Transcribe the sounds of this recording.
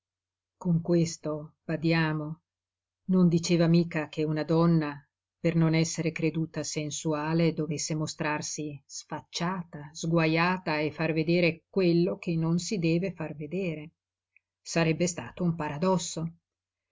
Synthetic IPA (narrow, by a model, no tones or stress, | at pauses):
koŋkwest̪ob̥ad̪jaːmo | nond̪it͡ʃeːvamiːkak̟eunad̪ɔnːa | pernonɛsːeɾekɾed̪uːt̪asensuaːled̪ovesːemost̪ɾarsisfat͡ʃːaːt̪azɡwajaːt̪aefːarved̪eːɾekwelːok̟enːonsid̪ɛːvefarved̪eːɾe | saɾɛbːest̪aːt̪oumpaɾad̪ɔsːo